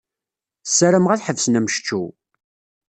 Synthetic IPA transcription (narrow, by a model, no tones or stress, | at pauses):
sːæɾəmʁaθħəvsnæmʃt͡ʃːu